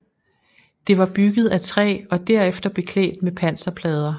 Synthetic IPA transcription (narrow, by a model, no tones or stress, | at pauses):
d̥e̝ʋɑ̈b̥yɡ̥ð̞̩ˠæt͡sʰʁɛ̰ːɒ̽d̥æɐ̰efd̥ɐb̥e̝kʰlɛ̰ːd̥̚mepʰæn̰sɐpʰlɛːð̞ˠɐ